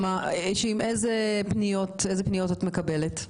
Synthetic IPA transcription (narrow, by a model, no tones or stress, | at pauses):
maʃeimʔezepnijo̞tezepnijo̞tatme̞kabelet